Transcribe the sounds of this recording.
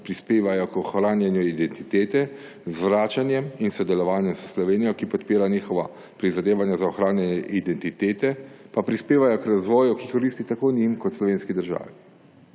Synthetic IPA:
pɾispeːʋajɔkɔxɾaːnjɛnjuid̪ɛnt̪it̪eːt̪ɛ | zʋɾaːt͡ʃanjɛminsɔd̪ɛlɔʋaːnjɛmsəslɔʋeːnijɔkipɔt̪piːɾaniːxɔʋa | pɾizad̪eːʋanjazaɔxɾaːnjɛnjɛʔid̪ɛnt̪it̪eːt̪ɛpapɾispeːʋajɔkɾazʋɔːjukikɔɾiːst̪it̪akoːnimkɔt̪slɔʋeːnskid̪əɾʒa̰ːʋi

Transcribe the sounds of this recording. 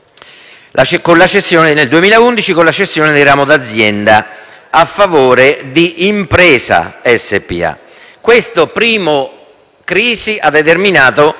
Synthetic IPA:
lakonlat͡ʃesːjoːnɪneld̪uemiːlaund̪it͡ʃikonlat͡ʃesːjɔːned̪iraːmʊd̪ad̪zːjɛnd̪a | afːavoːɾed̪iʔːmpɾɛːsa̰ɛsːḛpḭa̰ | kwest̪ʊpɾiːmʊ | kɾiːsiʔad̪ːet̪erminaːt̪o

